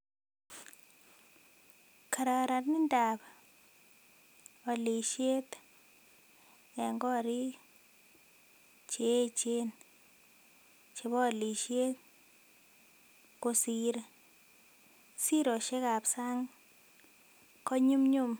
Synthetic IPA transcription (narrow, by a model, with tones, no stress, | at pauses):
ka˨ɾa˨ka˨ɾa˨tni˦nda˨p | ɔ˨li˨ʃe˦t̪ | ɛ˨ŋɡɔ˦ɾi˦ | t͡ʃe˨˦t͡ʃe˦n | t͡ʃe˨βɔ˦˨li˨ʃe˦t | ko˨si˨ɾ | si˦ɾo˨ʃe˦ka˨psa˦ŋ | kɔ˦ɲu˦mɲu˦m